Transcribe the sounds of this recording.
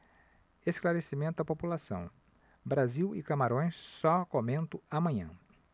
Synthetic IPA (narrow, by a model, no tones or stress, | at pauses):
esklaɾesimẽnt̪ʊɐpopulasɐ̰̃w̃ | bɾaziwɪ̰kamaɾõj̃ssɔkomẽnt̪ʊamɐ̃ɲɐ̰̃